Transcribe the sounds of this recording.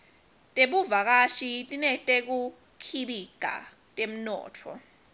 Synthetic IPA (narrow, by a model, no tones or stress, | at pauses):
tʼeɓuvak̬ʼaʃitʼinɛtʼek̬u | kʰiɓiɡ̥ʱa̰ | tʼem̩nɔ̰ːtʰɔ̰